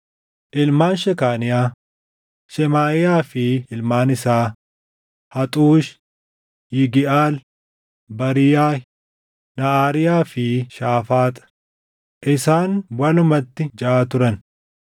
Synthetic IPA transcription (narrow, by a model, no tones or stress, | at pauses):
ʔɪlmaːnʃɛkaːnɪjaː | ʃɛmaːʔɪjaːfɪɪlmaːnɪsaː | hɐt̪ʼuːʃ | jɪɡɪʔaːl | bɐɾɪjaː | nɐʔaːɾɪjaːfɪʃaːfaːt̪ʼɐ̥ | ʔɪsaːnwɐlʊmɐt̪ːɪd͡ʒɐʔaːt̪ʊɾɐn